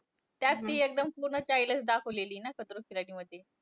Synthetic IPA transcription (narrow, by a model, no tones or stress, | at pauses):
t̪jat̪ːiːek̚d̪əmpuɾɳət͡ɕajləsd̪akʰəʋleliːnakət̪ɾokʰilaɽiːməd̪ʱːje